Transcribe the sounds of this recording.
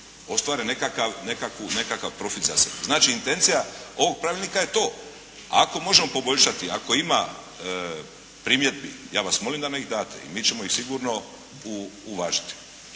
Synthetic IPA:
o̞st̪ʋaːɾenekakaʋnekakʋune̞kakaʋpɾo̞fit̪zasebuznaːt͡ʃiːnt̪e̞nt̪sijao̞ʋo̞ɡ̚pɾaːʋilnikaje̞t̪o̞ː | ako̞mo̞ʒe̞mo̞po̞bo̞ʎʲʃat̪ia̰ko̞ima | pɾiːmje̞d̪̚bḭjaːʋasmo̞limd̪aneiɣd̪aːt̪ḛḭmiːt͡ʃemoixsiɡuːɾno̞ | uuʋaːʒi̥t̪i̥

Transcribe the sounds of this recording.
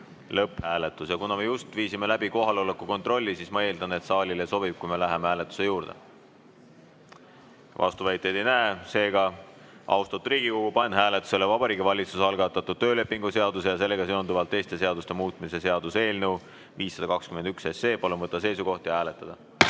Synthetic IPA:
lɤpːˑhæːlet̪ːˑusjɑkunɑme̞just̪viːsime̞læbiko̞ɦɑleo̞lekːˑuko̞nt̪ro̞lʲːisiːsmɑe̞ːld̪ɑne̞t̪sɑːlʲileso̞bib̥̚kujme̞læɦemehæːlet̪ːˑu̥se̞juːɾd̪̥e̞̰ | vʔɑ̰st̪uvæjt̪ːˑe̞jd̪̥ejnæese̞ːɡɑ | ʔɑ̰wst̪ɑt̪uɾiːɡ̥ikokupɑnːɦæːlet̪ːˑu̥se̞levɑb̥ɑɾiːɡivɑlʲit̪susɑlɡ̥ɑt̪ːˑɑt̪ːˑud̪̥̚t̪ːø̞ːle̞pːiŋɡuse̞ɑd̪use̞jɑse̞lːe̞ɡ̥ɑse̞o̞nd̪uvɑlt̪ˑːe̞jst̪e̞seɑd̪ust̪e̞muːt̪ˑmise̞se̞ɑd̪̥use̞ːlnew | viːsːɑd̪ɑkɑkskyme̞nd̪yksesːe̞ːpɑlumvɤt̪ˑːɑse̞jsuko̞ht̪jɑhæːle̞t̪ːˑɑd̪̥ɑ

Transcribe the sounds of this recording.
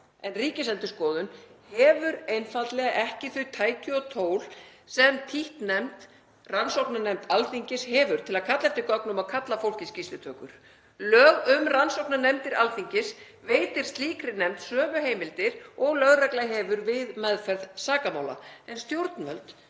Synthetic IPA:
ɛnriːcɪsɛnt̪ʏskɔːðʏnhɛvʏɾejnfat̪lɛɣaʔɛhcɪθʏɥt̪ʰaːjcʏɔt̪ʰoːwlsɛmt̪ʰiht̪nɛmt̪ | ransowknanɛmt̪alθiɲcɪshɛvʏɾ̥t̪ʰɪlaðkʰat̪lɛft̪ɪkɔknʏmaðkʰat̪lafowl̥cɪscist̪ɪt̪ʰœːkʏɾ̥ | lœːɣʏmransowknanɛmt̪ɪɾalθiɲcɪs | veːjt̪ɪɾ̥st̪liːkɾɪnɛmt̪sœːvʏɦeːjmɪlt̪ɪɾɔɣlœɣraklaɦɛvʏɾvɪðmɛðfɛɾðsaːkamaːwla̰ɛnst̪jowɾt̪nvœlt̪

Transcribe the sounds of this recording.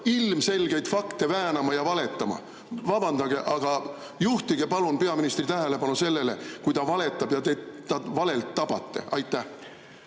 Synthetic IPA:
ilmse̞lɡ̥e̞jt̪fɑkt̪e̞væːnɑmɑjɑvɑle̞t̪ːˑɑmɑ̰ | vɑb̥ɑnd̪ɑɡ̥e̞ʔɑɡ̥ɑ | juht̪iɡ̥epɑlunpe̞ɑminist̪rit̪æɦele̞pɑnuse̞lːe̞le̞kujt̪ɑvɑle̞t̪ːˑɑb̥jɑt̪e̞t̪ːɑvɑle̞lt̪ːɑb̥ɑt̪ːe̞̰ʔɑjt̪ːæh

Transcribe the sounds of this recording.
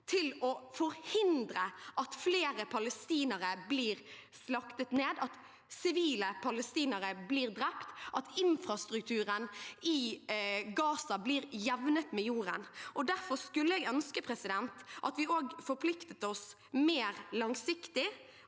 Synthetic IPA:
t̪ʰɪlɔfɔɾhɪnd̪ɾəʔɑt̪fleːɾəpʰɑləst̪iːnəɾəbliːɾ | slɑkt̪ət̪neːd̪ɑt̪ | sɪʋiːləpʰɑləst̪iːnəɾəbliːɾd̪ɾɛpt̪ʔɑt̪ɪnfɾɑst̪ɾʉk̚t̪ʰʉːɾənɪ | ɡɑːsɑbliːɾjɛʋnət̪mɛjuːɾə̰nʔɔd̪æɾfɔɾskʉlːəɛːɡœnskəpʰɾɛsɪd̪ɛnt̪ʔɑt̪ʋɪoːɡfɔɾpʰlɪkt̪ət̪ɔs | meːɾlɑŋsɪkt̪ɪ

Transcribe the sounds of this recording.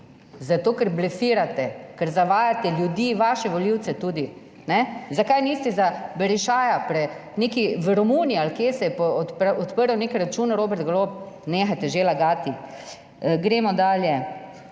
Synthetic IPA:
zat̪oːkəɾblɛfiːɾat̪ɛkəɾzaʋaːjat̪ɛljud̪iːʋaʃɛʋɔliwt̪sɛt̪uːd̪i | nɛzakajniːst̪ɛzabɛɾiʃaːjapɾɛ | neːkiʋəɾɔmuːnialkjeːsɛjɛpɔpɔt̪pəɾəwnekɾat͡ʃuːnɾoːbɛɾt̪̚ɡloːp | neːxajt̪ɛʒelaɡaːt̪i | ɡɾeːmɔd̪aːljɛ

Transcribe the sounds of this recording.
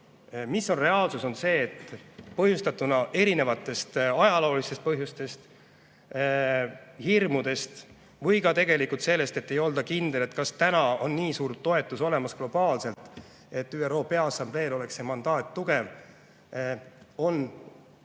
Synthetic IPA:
misːo̞nre̞ɑːlsuso̞nse̞ːt̪ːpɤɦjust̪ɑt̪ːˑunɑʔe̞ɾine̞vɑt̪ːˑe̞st̪ɑjɑlo̞ːlist̪est̪̚pɤɦjust̪e̞st̪ | hirmud̪e̞st̪ | vɤjkɑt̪e̞ɡe̞likult̪se̞lːe̞st̪e̞t̪ːe̞jo̞ld̪ɑkind̪̥e̞le̞t̪ˑkɑst̪ænɑo̞nːiːsuːrt̪o̞e̞t̪ːˑuso̞le̞mɑsɡ̥lo̞b̥ɑːlse̞lt̪ | e̞t̪ːˑyːero̞ːpe̞ɑɑsɑmb̥le̞ːlo̞le̞kse̞mɑnd̪̥ɑːt̪ːuɡ̥e̞v | o̞n

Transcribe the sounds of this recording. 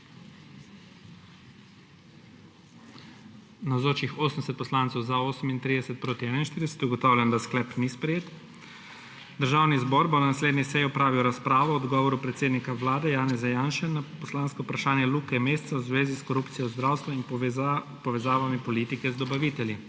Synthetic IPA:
nawzoːt͡ʃixoːsənd̪ɛs̬ɛt̪̚pɔslaːnsɔwzaoːsəmint̪ɾid̪ɛsɛt̪̚pɾoːt̪iɛnainʃt̪iɾd̪ɛsɛ̥t̪uɡɔt̪awlʲjɛnd̪asklɛpnispɾɛjeːt̪ | d̪əɾʒaːwnizbɔɾbɔnanasleːd̪nisɛjiɔpɾaːʋiwɾaspɾaːʋɔɔd̪ɡɔːʋɔɾupɾɛt̪seːd̪nikaʋlaːd̪ɛjaːnɛzajaːnʃɛnapɔslaːnskɔpɾaʃaːnjɛlukɛmeːst̪sawzʋeːziskɔɾupt̪sijɔzd̪ɾawst̪ʋɔin | pɔʋɛzaːʋamipɔliːt̪ikɛzd̪ɔbaʋit̪ɛlji

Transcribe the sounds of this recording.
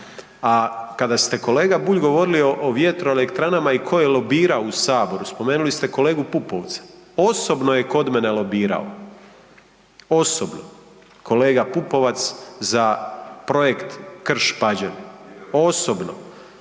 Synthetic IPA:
akad̪ast̪e̞ko̞le̞ːɡabuːʎɡo̞ʋo̞ɾilioʔoʋje̞t̪ɾo̞ele̞kt̪ɾanamaikʰo̞jelo̞biːɾaousaːbo̞ɾuspo̞me̞ːnulist̪e̞ko̞le̞ːɡupupo̞ʋt̪sḁo̞so̞bnoje̞ko̞d̪mene̞lo̞biːɾa̰o̰ | o̞sobno̰ | ko̞le̞ːɡapupo̞ʋat̪szapɾo̞jekt̪kr̩ʃpad͡ʑeno̞sobno̰

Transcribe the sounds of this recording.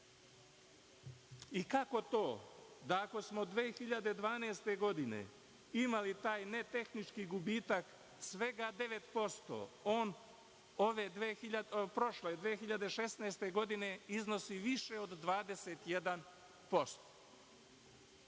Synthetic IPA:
ikako̞t̪o̞ːd̪aːko̞smod̪ʋeːxiʎad̪e̞d̪ʋaːneːst̪e̞ɡo̞d̪ine̞̰ | imalit̪aːjne̞t̪e̞xnit͡ʃkiɡubiːt̪ak | sʋe̞ɡad̪e̞ʋe̞t̪po̞st̪o̰o̞ːn | o̞ʋed̪ʋeiʎapɾo̞ʃled̪ʋeːxiʎad̪e̞ʃe̞sneːst̪e̞ɡo̞d̪ine̞izno̞siʋiʃeod̪ːʋaːd̪ese̞t̪jed̪an | po̞st̪o̥

